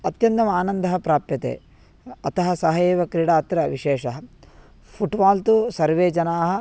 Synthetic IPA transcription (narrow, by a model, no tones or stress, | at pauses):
ɐt̪jɐnt̪ɐmaːnɐnd̪ʱɐɦɐpɾaːpjɐt̪ḛː | ɐt̪ɐɦɐsɐɦɐjeːʋɐkɾiɽaːɐt̪ɾɐʋiʃɛːʃɐɦɐ | pʰuʈʋaːlt̪usɐɾʋeːd͡ʒɐnaːɦɐ̆